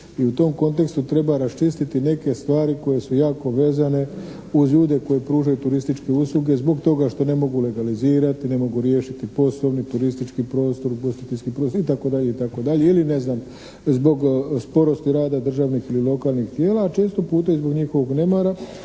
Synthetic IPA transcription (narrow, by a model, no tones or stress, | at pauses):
iut̪o̞mko̞nt̪e̞kst̪ut̪ɾe̞baɾast͡ʃist̪it̪ine̞ke̞st̪ʋaːɾiko̞je̞sujaːko̞ʋe̞ːzane̞ | uzʎuːd̪e̞ko̞je̞pɾuːʒajut̪uɾist̪it͡ʃke̞uslˠuɡe̞zbo̞ɡt̪o̞ɡaʃt̪o̞ne̞mo̞ɡule̞ɡaliziːɾat̪ine̞mo̞ɡuɾje̞ːʃit̪ipo̞soʋnit̪uɾist̪it͡ʃkipɾo̞ːst̪o̞ɾbost̪it̪eskipɾost̪oit̪ako̞d̪aʎe̞it̪ako̞d̪aʎe̞iline̞znam | zbo̞ɡspo̞ɾo̞st̪iɾaːd̪ad̪r̩ʒaʋnixililo̞kaːlnixt̪jeːlaːt͡ʃe̞ːst̪opuːt̪aizbo̞ɡɲixo̞ʋo̞ɡnemaɾa